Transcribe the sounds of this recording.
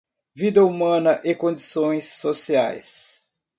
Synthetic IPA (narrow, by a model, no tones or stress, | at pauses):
vid̪ɐumɐ̃nɐʔekõd͡ʒisõj̃sːosia̰js